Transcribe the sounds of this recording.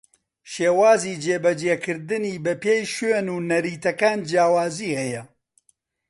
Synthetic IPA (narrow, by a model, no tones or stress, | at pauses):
ʃeːwaːziːd͡ʒeːbɐd͡ʒeːkɨɾd̪ɨniːbɐpeːjʃenuːnɐɾiːt̪ɐkaːnd͡ʒjaːwaːziːhɛjɐ